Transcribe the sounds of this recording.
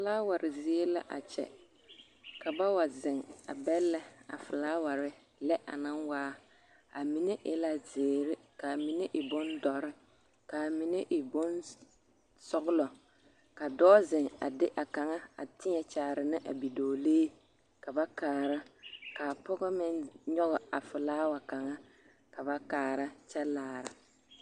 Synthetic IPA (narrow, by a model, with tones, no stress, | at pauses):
fɪ˦laː˦wa˨ɾɪ˨zeː˦la̰˦ʔa̰˨t͡ʃɛ̰˨ | ka˨ba˦wa˨zɪ˨ŋa̰˨bɛ˦lːɛ˦a̰˨fɪ˨laː˦wa˨ɾɪ˦ | lɛ˦ʔa̰˨na˦nwaː˦ | a˨mi˨ne˦ʔɪ˦la˦zɪː˨ɾɪ˦ka˨mi˨ne˦ʔɪ˨bʊ˦ndɔ˨ɾɪ˦ | ka˨mi˨ne˦ʔɪ˨bʊ˦n | sɔ˦ɣʊ˦lɔ˨ | ka˨dɔː˦zɪ˨ŋa̰˨dɪ˦ʔa˨ka˨ŋa˦a̰˨tɪ˦ɲɛ˨t͡ʃaː˨ɾɪ˨nɪ˦ʔa˨bi˨doː˨leː˦ | ka˨ba˦kaː˨ɾa˦ka˨pɔ˦ɡɔ˦mɪ˦nɲɔ˦ɣɔ˨a˨fɪ˨laː˦wa˨ka˨ŋa˦ | ka˨ba˦kaː˨ɾa˦t͡ʃɛ˦laː˨ɾa˨